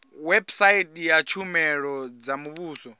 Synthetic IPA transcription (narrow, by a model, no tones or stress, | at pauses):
wɛbsaitʼjat͡ʃʰumɛɺɔd͡zamuβuːsɔ